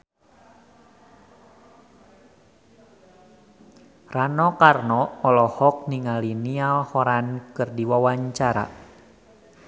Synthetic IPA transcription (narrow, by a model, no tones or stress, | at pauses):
ranɔkarnɔɔlɔhɔk̚niŋalinialhɔɾankɨrdiwawaɲt͡ʃaɾa̰